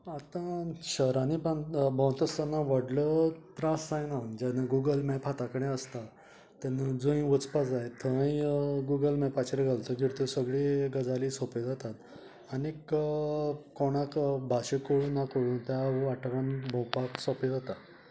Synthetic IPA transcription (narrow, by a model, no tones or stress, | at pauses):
at̪ãɕəɾanipanbʱɔ̃wt̪əst̪anːaʋəɽlət̪ɾasːajnaʋənd͡ʑanaɡuɡəlmɛpʰat̪akəɽ̃ẽəst̪a | t̪anad͡zoĩʋət͡spad͡zajt̪ʰəĩɡuɡəlmɛpat͡ɕeɾeɡʱalt̪əɡʱiɽt̪əsəɡɭiɡəd͡zalisɔped͡zat̪at̪ | anik | kɔɽ̃ãkbʱaɕekoɽuːnːakoɽuːnt̪jaʋaʈʋanbʱõwpaksɔped͡zat̪a